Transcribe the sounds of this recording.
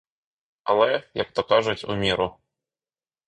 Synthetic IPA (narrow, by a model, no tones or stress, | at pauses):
ɐ̰lˠɛjak̚t̪ɔkaʐʊtʲṵmʲiɾʊ